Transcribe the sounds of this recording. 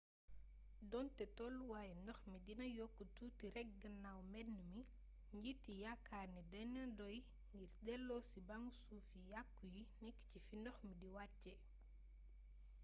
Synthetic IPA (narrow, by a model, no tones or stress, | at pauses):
dɔntɛtɔlwaːjɛnɔxmidinɐjɔkːututiɾɛk̚ɡɐnːawmɛnːəmi | ɲɟitːijakːarnidɔnɐdɔj | ŋɡiɾdɛlːɔsibaŋɡsufijakːujinɛkːcifinɔxmidiwacːɛ